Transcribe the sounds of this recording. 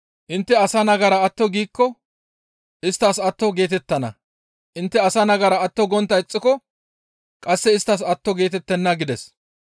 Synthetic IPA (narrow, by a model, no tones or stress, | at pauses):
ʔɪnt̪ːɛɐsɐnɐɡɐɾɐɐt̪ːɔɡiːkːɔ | ʔɪst̪ːɐsɐt̪ːɔɡe̞ːt̪ɛt̪ːɐnɐ̰ | ʔɪnt̪ːɛɐsɐnɐɡɐɾɐɐt̪ːɔɡɔnt̪ːɐɪt͡sʼːɪkɔ | kʼɐsːɛɪst̪ːɐs̬ɐt̪ːɔɡe̞ːt̪ɛt̪ːɛnːɐɡɪd̪ɛs